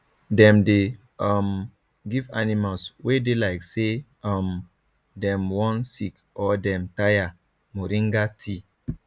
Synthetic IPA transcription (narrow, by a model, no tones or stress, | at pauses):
dɛ̃mde | ɔm | ɡivanimalswedelaɪkse | ɔm | dɛ̃mwɔ̃nsik | ɔdɛ̃mtaja | moɾĩŋɡatʰi